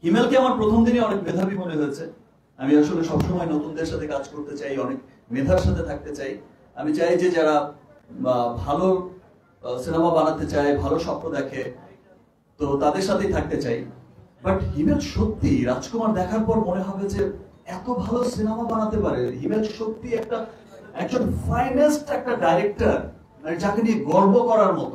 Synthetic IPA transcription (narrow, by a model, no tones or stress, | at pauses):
ɦimelkeamaɾpɾot̪ʰomd̪ineɔnekmed̪ʱabimoneɦojet͡ɕʰe | amiaʃoleʃɔbʃɔmɔenot̪und̪eɾʃat̪ʰekad͡ʑkoɾt̪et͡ɕajɔnek̚ | med̪ʱaɾʃat̪ʰet̪ʰak̚t̪et͡ɕaj | amit͡ɕajd͡ʑed͡ʑaɾa | bʱalo | sinamabanat̪et͡ɕaebʱaloʃɔp̚ɾod̪ɛkʰe | t̪ot̪ad̪eɾʃat̪ʰejt̪ʰak̚t̪et͡ɕajbaʈɦimed̪ʃot̪ːiɾad͡ʑkumaɾd̪ɛkʰaɾpɔɾmoneɦɔbed͡ʑeɛt̪obʱalosinamabanat̪epaɾeɦimed̪ʃot̪ːiɛk̚ʈa | ɛk̚d͡ʑonfajnesʈɛk̚ʈaɖajɾek̚ʈaɾ | d͡ʑakeniɡɔɾbokɔɾaɾmɔt̪o